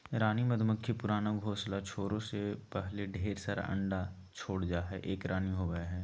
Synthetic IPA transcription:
ɾaːnimɐd̪ʱməkʰːipʊɾaːnaɡʱoːslat͡ʃʰoːɾõsepɛɦleɖʱeːɾsəɾ̰ə̰̃ɳɖa | t͡ʃʰoːɽd͡ʒaːɦɛʔeːkɾaːniɦoːɡəaɦɛː

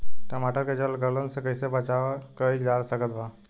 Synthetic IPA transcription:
ʈəmaːʈəɾked͡ʒəlɡəɾlənsekəisebət͡ʃakəikd͡ʒaːɾsəɡət̪ʋa

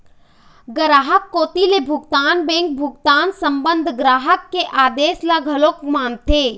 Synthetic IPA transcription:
ɡɾaːɦəkːoːt̪ilebʱʊɡt̪aːnbẽːŋk̚bʱʊɡt̪aːnsəmbənd̪ʱɡɾaːɦəkːeʔaːd̪eːslaɡʱəlokmaːnt̪e

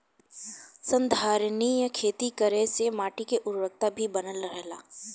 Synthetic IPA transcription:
sə̃nd̪ʱaːɾnijakʰeːt̪ikəɾẽsemaːʈikeʔʊɾʋək̚t̪abʱibɐnəlɾɛɦlaː

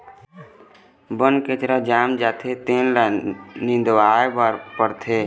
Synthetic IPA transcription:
bənket͡ʃɾad͡ʒaːmd͡ʒaːt̪ʰet̪eːnlanɪ̃nd̪ʋaːbaɾpəɾt̪ʰeː

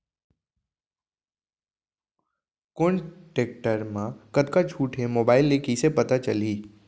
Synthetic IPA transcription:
kʊɳʈeːk̚ʈəɾmãkɐd̪kat͡ʃʰuːʈʰɦemoːbaːɪlːekisepɐt̪at͡ʃɐliː

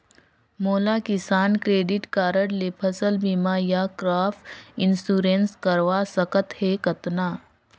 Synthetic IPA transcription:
moːlaːkɪsaːnkɾeːɖɪʈkaːɾəɽlepʰəsəlbimajakɾaːfɪnsuːɾenskəɾʋasəkət̪heːkɐt̪naː

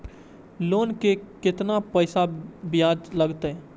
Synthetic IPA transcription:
loːnkekɪt̪napəːsabɪjaːd͡ʒləɡt̪ɛ

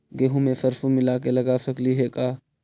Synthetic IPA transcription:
ɡeːɦũmẽfɐɾfumɪlaːk̬elɐɡasɐkliɦekaː

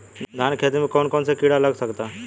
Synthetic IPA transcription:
d̪ʱankʰet̪imikɔːnkɔːnsekiɽaləɡsəkt̪a

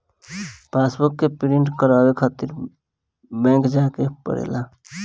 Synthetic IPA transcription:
pasbukːepiɾiɳʈkəɾawekʰat̪iɾ | bɛ̃ŋkd͡ʒakepə̰ɾḛːla

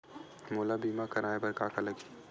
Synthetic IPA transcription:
moːlabiːmakɐɾaːebɐɾkaːkʰalɐɡi̥

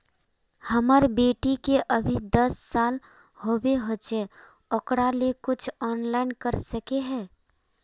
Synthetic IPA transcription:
həməɾbeːʈikeʔəbʱid̪əsːaːl | howeɦot͡ʃe | ɔkɽalekʊt͡ʃʰɔːnlaːɪnkəɾsəkeɦɛː

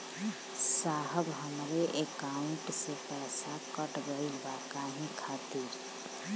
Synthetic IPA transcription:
saːɦəbɦəmɾeʔekaːʊ̃ɳʈsepɛːsakəʈɡəibaːkaːɦĩkʰaːt̪iɾ

